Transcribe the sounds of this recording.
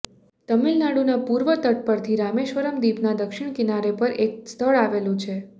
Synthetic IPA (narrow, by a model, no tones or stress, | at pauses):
t̪əmilnaɽunapuɾʋət̪əʈ̚pəɾt̪ʰiɾameʃʋəɾəmd̪ipnad̪əkʃɪɳ̃kɪnaɾepəɾʔek̚st̪ʰəɭaʋelũt͡ʃʰe